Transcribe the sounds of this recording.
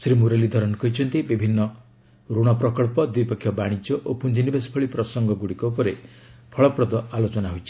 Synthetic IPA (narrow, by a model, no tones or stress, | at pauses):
sɾimuɾelid̪ʱɔɾɔnkɔɦit͡ʃʰɔnt̪ibibʱinːɔ | ɾuɽ̃ɔpɾɔkɔɭpɔd̪wipɔkʰːjɔbaɽ̃id͡ʒjɔʔopund͡ʒinibespʰɔɭipɾɔsɔŋɡɔɡuɽikɔupɔɾe | pʰɔɭɔpɾɔd̪ɔalot͡ʃɔnaɦojt͡ʃʰi̥